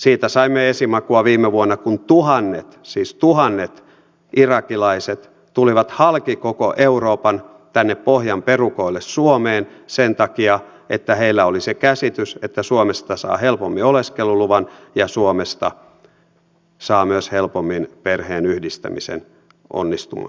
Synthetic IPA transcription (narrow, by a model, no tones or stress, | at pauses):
siːt̪æsɑimːeesimɑkuɑʋiːmːˑeʋuonːɑkunt̪uhɑnːḛt̪siːst̪uhɑnːet̪ | ʔirɑkilɑiset̪ | t̪uliʋɑt̪hɑlkikoko̰ʔeuroːpɑn | t̪ænːeppohjɑmperukoilːessuomeːnsent̪ɑkiɑ | et̪ːæheilːæolisekæsit̪yset̪ːæsuomest̪ɑsɑ̰ːhelpomːioleskeluluʋɑnjɑsuomest̪ɑ | sɑːmyøshelpomːinperheːnyhdist̪æ̰misḛn | ʔo̰nːist̪ṵmɑ̰